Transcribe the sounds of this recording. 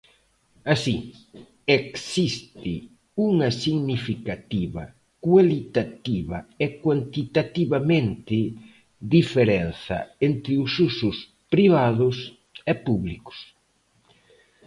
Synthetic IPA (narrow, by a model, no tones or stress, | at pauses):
asi | eksist̪ɪ | uŋɐsiɣnifikat̪iβɐ̰ | kwalit̪at̪iβɐɛkwant̪it̪at̪iβamẽnt̪ɪ | ðifeɾɛnθɐ̰ent̪ɾɪʊsusʊs | pɾiβaðʊs | ɛpuβlikʊ̥s